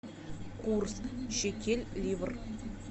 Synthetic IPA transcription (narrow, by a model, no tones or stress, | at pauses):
kʰursʃekʲelʲlʲivər